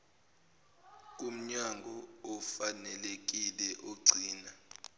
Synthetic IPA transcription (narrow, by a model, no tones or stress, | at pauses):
k̬um̩ɲaŋɡʱɔɔfanɛlek̬ilɛʔoɡ͡ǀʱiːna